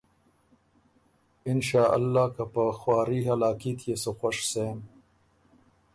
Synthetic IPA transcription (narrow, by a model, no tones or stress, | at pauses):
ɪnʃaːʔɐ̰lːaːkapəxwaːɾiːɦɐlaːkit̪ʰjesoxoʂseːm